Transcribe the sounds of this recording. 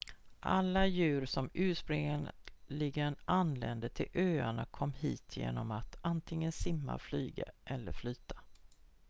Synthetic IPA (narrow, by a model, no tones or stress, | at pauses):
ʔalːajʉ̟ːɾʂɔmʔʉ̟ːspɾɪŋənlɪɡənʔanlɛnd̪ət̪ʰɪlʔøːaɳakʰɔmːhiːt̪ʰjḛːnɔmat̪ant̪ʰɪŋːənsɪmːa̰flyːɡa̰ʔɛlːəɾflyːt̪ʰḁ